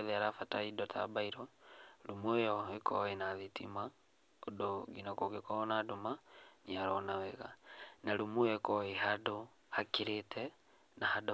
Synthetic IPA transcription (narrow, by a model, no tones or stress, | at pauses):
ðiaɾafataidɔtʰa̰baiɾɔlumujɔekʰɔ̰enaðitḭma | odɔɡinakoɡikɔnadumaniaɾɔnawɛɣanaɾumujɔekɔeɦado | hakiɾetʰɛ | nahado